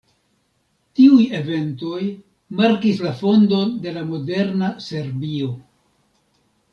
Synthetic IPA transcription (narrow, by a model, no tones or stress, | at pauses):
tiuje̞ve̞nto̞j | maɾkislafo̞ndo̞nde̞lamo̞de̞ɾnase̞ɾbio̞